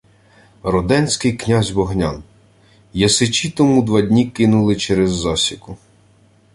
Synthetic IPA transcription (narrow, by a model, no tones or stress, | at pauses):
rɔd̪ɛnʲsʲkɪjknʲazʲbɔɦnʲa̰n | jɐsɪt͡ʃʲit̪ɔmud̪ʋɑdʲnʲikɪnʊlˠɪt͡ʃɛɾɛzːɑsʲikʊ